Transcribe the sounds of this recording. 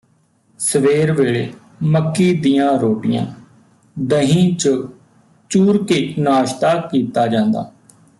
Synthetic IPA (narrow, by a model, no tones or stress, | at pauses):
səʋeːɾʋeːɭeː | məkːiːd̪ijãːɾoːʈɪjã̰ː | d̪əɦĩːt͡ʃə | t͡ʃuːɾkeːnaːʃt̪aːkiːt̪aːd͡ʒãːnd̪a̰ː